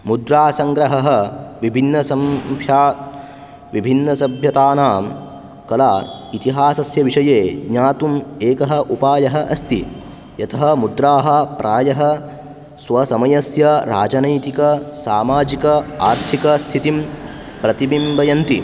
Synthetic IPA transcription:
mud̪ɾaːsɐŋɡɾɐɦɐɦɐʋibʱinːɐsɐmpʰjaː | ʋibʱinːɐsɐbʱjɐt̪aːnaːm | kɐlaːit̪iɦaːsɐsjɐʋiʂɐjeːɡɲaːt̪umeːkɐɦɐ̆ʔupaːjɐɦɐʔɐst̪i | jɐt̪ʰɐɦɐmud̪ɾaːɦɐ̆pɾʔaːjɐɦɐ | sʋɐsɐmɐjɐsjɐɾa̰ːd͡ʒɐnɐjt̪ikɐsaːmaːd͡ʒikɐaːɾt̪ʰikɐst̪ʰit̪impɾɐt̪ibimbɐjɐnt̪i

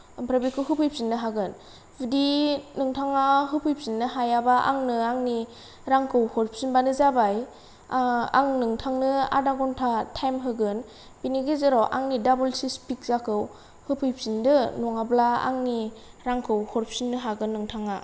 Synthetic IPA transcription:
ɯmpʰɾabikʰɯwɦɯpʰɯjp̚sinːɯɦaɡɯn | bidinɯŋtʰaŋaɦɯpʰɯjp̚sinːɯɦajabaʔa̰ŋnɯaŋni | ɾaŋkʰɯwhɔɾp̚sinbanɯzabaj | a̰ŋnɯŋtʰaŋnɯa̰daɡɔntʰatʰajmɦɯɡɯn | b̥iniɡezɯɾɔwʔa̰ŋnidabɯlsispik̚zakʰɯw | hɯpʰɯjp̚sindɯnɔŋablaa̰ŋni | ɾaŋkʰɯwhɔɾp̚sinːɯɦaɡɯnːɯŋtʰaŋa

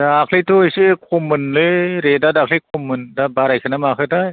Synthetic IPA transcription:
dakʰlijtʰojsekʰomɯnlɯɾedadakʰlijk̚ʰumɯndabaɾajkʰɯnamakʰɯtaj

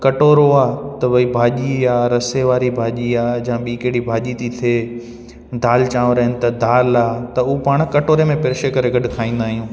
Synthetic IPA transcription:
kɐʈoːɾoaːt̪ɐʋɐibʱaːʄiaːɾɐseʋaːɾibʱaːʄiaːd͡ʑaãɓiːkeɦɪɽibʱaːʄit̪ʰit̪ʰeː | d̪ʱaːlt͡ɕãːʋɾɐɦɪnɪ̆t̪ɐd̪ʱaːlaːt̪ɐuupaːɽ̃kɐʈoːɾemẽpɪɾɪʃekɐɾeɡɐɗʊkʰaːĩːn̆d̪aːɦijũː

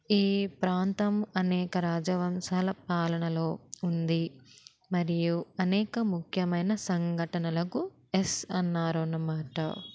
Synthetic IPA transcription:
iːpɾaːnt̪ɐmɐnɛːkɐɾaːd͡ʒɐʋɐmsaːlɐpaːlɐɳɐlo̞ːund̪i | mɐɾijuɐnɛːkɐmukʰjɐmɐjnɐsɐŋɡʱɐʈɐnɐlɐku | esɐnːaːɾonːɐmaːʈɐ̰

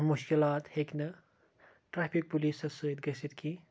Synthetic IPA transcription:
muʃkilaːt̪heknɐ | ʈɾaːpʰik̚pulisɐsɨt̪̚ɡɐsit̪kʰi

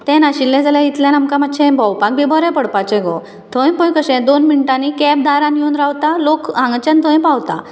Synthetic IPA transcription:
t̪ɛ̃naɕilːɛ̃d͡zaljãjit̪ljãnamkamət̪ːɕɛ̃bəwpak̚bʱibɔɾɛ̃pəɽpat͡ɕẽɡɔ | t̪ʰə̃ɛ̃pɔ̃jkəɕɛ̃d̪onmiɳʈanikɛb̚d̪aɾãnjunɾawt̪alokãŋɡt͡ɕãnt̪ʰə̃ẽpawt̪a̰

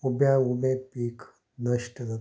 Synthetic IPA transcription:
ubjãubẽpiːk | nəʃʈnɐ

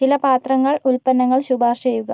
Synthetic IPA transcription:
t͡ɕilɐpaːt̪rɐŋːɐɭulpɐnːɐŋːɐɭɕubʱaːrʂejuɣɐ

